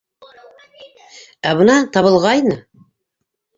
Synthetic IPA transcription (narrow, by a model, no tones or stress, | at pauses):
æβɤ̆nɑt̪ɑβɤ̆lˠʁɑjnɤ